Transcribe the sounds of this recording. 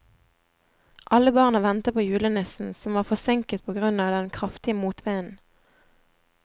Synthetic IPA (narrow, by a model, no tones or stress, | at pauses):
ʔɑləbɑːʁnəʋɛnt̪əpʰoːjʉːlənɛsn̩sɔmʋɑːʁfɔsɪŋkət̪̚pʰoːɡʁʉnɑːd̪ɛnkʰʁɑft̪ɪəmuːt̪ʰʋeɪən̩